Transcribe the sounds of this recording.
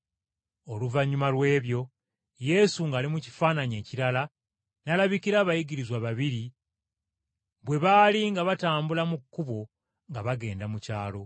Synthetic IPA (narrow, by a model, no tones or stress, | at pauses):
o̞luvaɲːumalwe̞ːβjo̞ | je̞suŋɡaːlimuci̥faːnaɲe̞ːciɾala | nalaβikiɾaβajiɡiɾizwaβaβiɾi | βwe̞βaliŋɡaβataːmbulamukːuβo̞ | ŋɡaβaɡe̞ːndamucaːlo̞